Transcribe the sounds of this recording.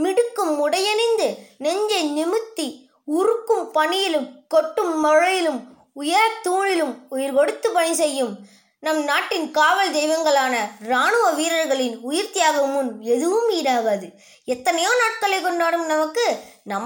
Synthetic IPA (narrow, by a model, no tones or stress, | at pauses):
mɪɽɯkːɯmːʊɽɐjɐnɐɪnd̪ɯnɛɲd͡ʒɐɪnɪmɯt̪ːi | ʊɾɯkːɯmpɐɳɪjɪlɯmkɔʈːɯmːɐɻɐjɪlɯm | ʊjɐɾɐt̪uːɻɪlɯmʊjɪɾkɔɽɯt̪ːɯpɐɳisɛjːɯm | nɐmnaːʈːɪnkaːʋɐɭd̪ɛɪʋɐŋɡɐɭaːnɐɾaːɳɯʋɐʋiːɾɐɾɣɐɭɪnʊjɪɾt̪ɪjaːɣɐmɯnɛðɯʋɯmiːɾaːɣɐðɯ | ɛt̪ːɐnɐjoːnaːʈ̚kɐɭɐɪkːɔɳɖaːɽɯmnɐmɐkːɯnɐm